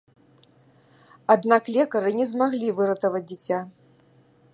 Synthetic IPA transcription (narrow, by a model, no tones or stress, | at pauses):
ad̪naklʲɛkɐɾɨnʲɛzmaɣlʲivɨɾɐt̪ɐvɐd͡zʲd͡zʲit͡sʲa